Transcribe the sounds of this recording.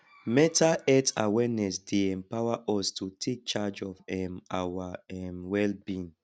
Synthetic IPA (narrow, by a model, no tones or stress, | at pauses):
mɛtaɛta̰wɛnɛsdeɛ̃mpawaʔɔstʰutʰek̚t͡ʃad͡ʒɔvɛmawaɛmwɛlbĩn